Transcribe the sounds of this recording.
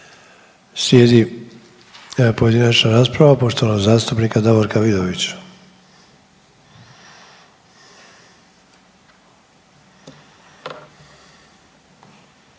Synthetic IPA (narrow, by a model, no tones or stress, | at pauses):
sje̞ːd̪i | pojed̪inat͡ʃnaɾaːspɾaʋapo̞ʃt̪o̞ʋanoɡzaːst̪upnikad̪aʋoɾkaʋid̪oʋit͡ɕ